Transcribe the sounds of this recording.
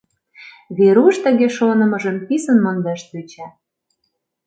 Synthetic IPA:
βeɾuʃt̪ə̆ɣeʃonə̆mɤ̆ʒə̆mpisə̆nmɑnd̪æʃt̪yt͡ɕæ

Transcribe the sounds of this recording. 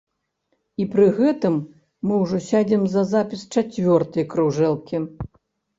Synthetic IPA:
ipɾɨɣɛt̪ɨmː | ɨwʐɔsʲad͡zʲimzɐzapʲist͡ʂat͡sʲvʲɔrt̪ɐjkɾuʐɛlˠkʲi

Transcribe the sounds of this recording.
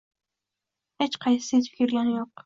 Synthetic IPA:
het͡ʃqʰɑj̪sɨt̪fɪ̥kʲʰɪɾlanjoq

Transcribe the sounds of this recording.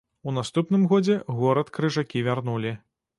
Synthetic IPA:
unast̪upnɨmɣɔd͡zʲɛɣɔɾɐt̪kɾɨʐakʲivʲarnulʲi

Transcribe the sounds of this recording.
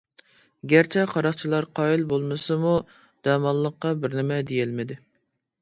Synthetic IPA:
ɡʲæɾt͡ʃʰɛqʰɑɾɑχt͡ʃʰilˠɑɾqʰɑːjilbolˠmɨsɨmu | d̪̥ɛmɑlˠːəqːɑbɪɾnɪmɛd̪ejɪlmɪd̪ɪ

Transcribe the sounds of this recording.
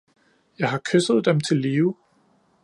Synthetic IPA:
jɑ̈ɪɦɑ̈kʰøsð̞̩ˠd̥emt͡sʰe̝lːiːʊ

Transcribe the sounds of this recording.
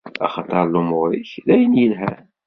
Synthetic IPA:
ɑ̰χɑt̪ˤːɑɾˤlumʊɾiçðæjənjəlɦæ̰

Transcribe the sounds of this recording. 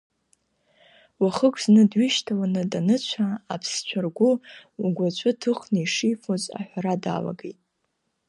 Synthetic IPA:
waχəkʷʰznɨdɥiʃtʰawanɨdanɨt͡ɕʷʰaːpʰst͡ɕʷʰarɡʷʊuɡʷat͡ɕʷʰʼʊtʰɨχnɨiʂijfozʼa̰ħʷᶣaɾada̰la̰ɡḛjtʼ

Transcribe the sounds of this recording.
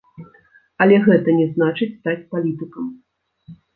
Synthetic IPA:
ɐlʲɛɣɛt̪ɐnʲɛznat͡ʂɨt͡sʲst̪at͡sʲpalʲit̪ɨkɐm

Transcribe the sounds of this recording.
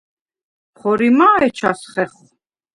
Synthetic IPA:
pχɔɾimaːɛt͡ʃʰasχɛχ

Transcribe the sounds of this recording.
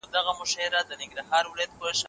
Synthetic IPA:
d̪aɣamʊʃɑɪɾad̪ənɪŋɡɾaɦɑɾwʊlad̪̚poʃ

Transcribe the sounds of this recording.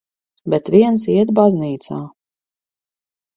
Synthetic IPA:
bʲɛt̪vʲiɛnsiɛt̪̚bazniːt̪sa̰ː

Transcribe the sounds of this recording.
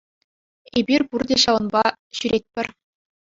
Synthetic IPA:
ebʲirʲpurdʲeɕɑʋɤ̆nbɑ | ɕyɾʲet̚ʲpʲɘ̆rʲ

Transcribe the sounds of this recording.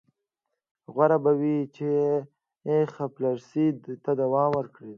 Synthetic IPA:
ɣwaɾabawit͡ʃe | exaplaɾsid̪t̪ad̪awɑːmwəɾkɽi

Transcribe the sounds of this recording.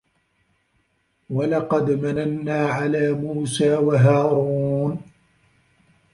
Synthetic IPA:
walɑqɑd̪mananːaːʕalaːmuːsaːwaɦaːɾuːn

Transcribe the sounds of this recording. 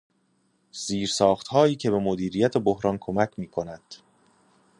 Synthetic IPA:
z̥iːɾsɒːχt̪hɒːjiːcʰe̞be̞mod̪iːɾijæt̪ʰe̞bohɾɒːnkʰo̞mæcʰmiːkʰo̞næd̪̥

